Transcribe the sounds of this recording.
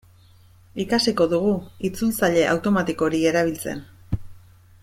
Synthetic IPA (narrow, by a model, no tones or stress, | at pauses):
ikasiko̞ðuɣ̞uit͡sult͡saʎe̞ʔa̰wt̪o̞mat̪iko̞ɾie̞ɾaβ̞ilt͡se̞̰n